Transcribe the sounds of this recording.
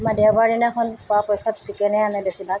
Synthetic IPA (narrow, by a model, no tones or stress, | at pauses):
madɛwbaninakʰɔnpɔapɔjkʰːɔtsikɛnɛanɛbesibak̚